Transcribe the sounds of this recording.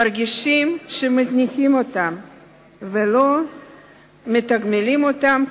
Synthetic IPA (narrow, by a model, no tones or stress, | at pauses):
aɾɡʲiʃimʃemazniximot̪am | velo | met̪aɡmelimot̪am